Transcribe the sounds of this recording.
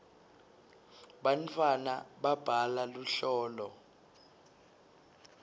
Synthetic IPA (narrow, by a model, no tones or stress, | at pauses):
ɓantʰʼwanaɓab̥ʱalaluɬɔːlɔ